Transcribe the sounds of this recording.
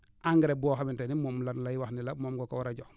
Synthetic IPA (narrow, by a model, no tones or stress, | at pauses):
aŋɡiɾebɔxamintenimomlanlajiwaxnilamoːmɡoka̰wɾaɟo